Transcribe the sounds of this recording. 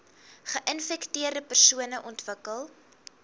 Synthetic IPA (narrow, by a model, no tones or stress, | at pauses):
χəʔənfɛktiərdəpərsuənəʔɔntvəkəlˠ